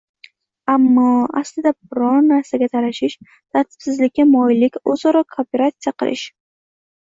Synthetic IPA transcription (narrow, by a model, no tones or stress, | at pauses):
amːɒaslɪd̪abʊɾɒɾnaɾsaɡʲat̪ʰaɾaʃɪʃ | t̪ʰaɾt̪ʰɪ̥b̥sɪzlɪkʲːamɒjlɪkʲozɒɾɒkʰope̞ɾat̪sɨjaqʰɨlɪ̰ʃ